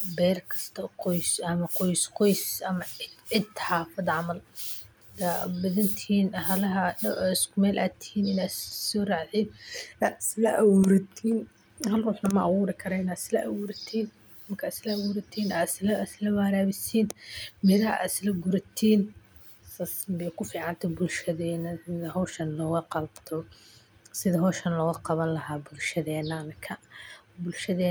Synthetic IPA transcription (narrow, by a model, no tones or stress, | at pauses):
bɛːrkʰɐst̪ʰɐqɔjsɐmɐqɔjsqɔjsɐmɐɪɪd̪ħɑːfɐd̪ʕɑmɐl | d̪abɐðɐnt̪ʰiːnɐhɐlɐɦɐɐɪskʊmɛːlʔa̰ːt̪ʰɪ̥hiːnɪnaːsɔːraːʕʕiːna̰slɐʔɐwuɾɐt̪ʰiːn | ɦɐlruːħnɐmɐʔɑɣuːɾɪkʰɐɾɐɪnaːd̪slɐ̰ʔɐwuːɾɐt̪ʰiːn | mɐkʰaːd̪slɐɐwuːɾɐt̪ʰiːnaːd̪slɐslɐwaːɾaːβɪsiːnmɪðɐa̰ːd̪ɪslɐɡʊɾɐt̪ʰiːn | sasbɛːkʰʊfiːʕɑnt̪ʰɐbʊlʃɐðɛːnɐɪðɐɦɔwʃɐnlɔːɣɐqɑlbt̪ʰɔ | sɪðɐɦɔːʃɐnlɔːɣɐqɑβɐnlɐɦaːbʊlʃɐðɛːnɐmɪkʰɐbʊlʃɐðɛː